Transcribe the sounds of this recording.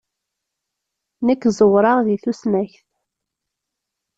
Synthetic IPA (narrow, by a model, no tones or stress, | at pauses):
nəkːzˤəwɾˤɑʁðiθusnæçθ